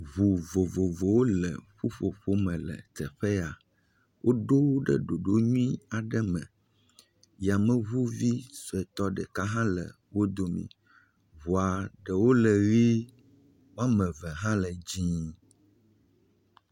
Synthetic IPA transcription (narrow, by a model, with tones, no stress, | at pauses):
βu˨vo˨vo˨vo˨wo˦lə˨ɸu˦ɸo˨ɸo˦mɛ̃˨lə̰˨t̪ə˨ɸɛ˦a˨ | wʔo˦ɖo˦ɖə̰˦ɖo˨ɖo˦ɲũ˦ĩ˦a˨ɖə˦mə̰̃˨ | ja˨mə̃˦βu˦vi˦so˨ɛ˨t̪ɔ˦ɖə˨ka˦ɦã˦lə̰˨ | wo˦d̪o˨mḭ̃˨ | βu˨a˨ɖə˨wo˦lə˨ɣi˦ | m˦ã˦mɛ̃˨və˨ɦã˦lə˨d͡ʑĩ˦